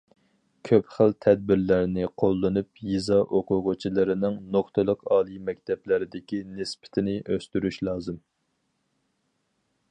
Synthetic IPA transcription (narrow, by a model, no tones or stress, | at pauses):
kʲʰøpχəlt̪ʰɛd̪̚bɪɾlæɾnɪqʰolˠːɨnupjizɑʔoqʊʁʊt͡ʃʰilˠɨɾɪnɪŋnoχt̪ʰɨlˠəqɑːlˠimɛk̚ʲt̪ʰɛplɪɾɪd̪ɪkʲinɪspɪ̥t̪ʰɪnɪʔøst̪yɾyʃlˠɑːzɨm